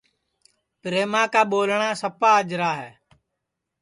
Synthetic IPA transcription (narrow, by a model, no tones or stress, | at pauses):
pɾeːmãːkaːɓoːlɳãːsəpaːəd͡ʒɾaːɦɛː